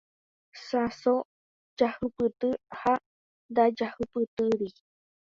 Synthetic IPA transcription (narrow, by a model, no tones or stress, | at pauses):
saso | d͡ʒahupɨt̪ɨha | d̪ad͡ʒahɨpɨt̪ɨɾi